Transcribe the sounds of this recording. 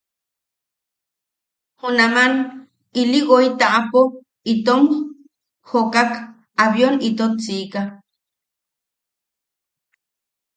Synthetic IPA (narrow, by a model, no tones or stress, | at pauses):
hunaman | iliɣoit̪aʔapo | it̪om | hokak | aβjonit̪ot̪t͡siːka